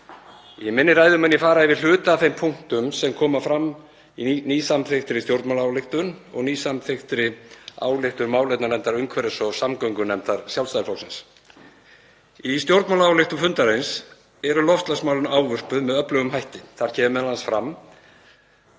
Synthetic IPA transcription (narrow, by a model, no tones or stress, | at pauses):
jɛmɪnːɪɾraːjðʏmɛnjɛfaːɾaɛvɪl̥ʏːt̪aθejmpʰuŋ̥t̪ʏmsɛmkʰɔːmafɾamː | iniːsamθext̪ɾɪst̪jowɾt̪mawlaaːwlɪxt̪ʏnɔ̰ɣniːsamθext̪ɾɪa̰ːwlɪxt̪ʏɾmaːwlɛt̪nanɛnt̪aɾʏŋkʰvɛɾɪsɔsamkœɥŋkʏnɛmt̪aɾ̥sjawlst̪ajlfɔwsɪns | ist̪jowɾt̪mawlaawlɪxt̪ʏfʏnt̪aɾejns | ɛɾʏlɔft̪lasmaːwlʏnaːwvʏr̥pʏðmɛðœplœɣʏmhajht̪ɪθaɾ̥cʰɛːvʏmɛðlansfɾam